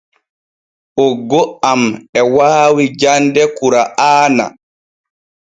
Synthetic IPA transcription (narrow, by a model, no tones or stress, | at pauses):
ʔɔɡɔamɛwaːwid͡ʒandɛkuɾaʔaːna̰